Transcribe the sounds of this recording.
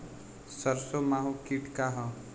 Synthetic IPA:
səɾsomaɦukiʈkaɦʌ̃

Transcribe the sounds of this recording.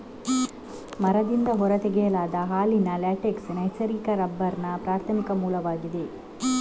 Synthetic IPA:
mɐɾɐd̪ind̪ɐɦɔɾɐt̪ɛɡɛjɐlaːd̪ɐɦaːlinɐlaːʈeksnɐjsɐɾiːkɐɾɐbːɐɾnɐpɾaːɾt̪ʰɐmikɐmuːlɐʋaːɡid̪e

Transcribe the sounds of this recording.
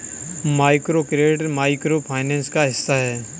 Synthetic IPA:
maːɪkɾoːkɾeːʈmaːɪkɾoːpʰaːɪnɛ̃ːnskaɦɪsːaɦɛː

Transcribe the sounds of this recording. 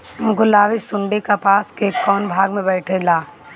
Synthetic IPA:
mɡʊlaːʋisʊ̃ɳɖekapaːskeːkːɔːnbʱaːɡmẽbɛːʈʰelaː

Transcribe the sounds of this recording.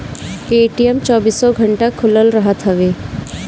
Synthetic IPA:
eːʈijəmt͡ʃɔːbiːsːɔɡʱəɳʈakʰʊləlɾəɦət̪ɦəʋeː

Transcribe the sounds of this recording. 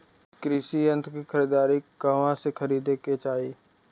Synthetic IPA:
kɾɪʃiə̃nt̪ʰkixʰɐɾiːd̪aːɾikɐʋãsekʰəɾiːd̪eket͡ʃaːiː

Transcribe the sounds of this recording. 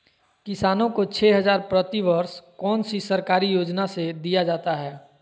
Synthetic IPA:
kɪsaːnõkot͡ʃʰɛːɦɐzaːɾpɾət̪iʋəɾskɔːnsisɐɾkaːɾijoːd͡ʒnased̪ijad͡ʒaːt̪aɦɛː

